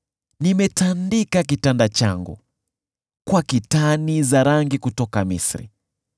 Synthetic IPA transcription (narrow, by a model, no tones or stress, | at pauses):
nimɛtandikak̬itandat͡ʃa̰ŋɡṵ | kwakitanizaɾaŋɡikutɔkamḭsɾḭ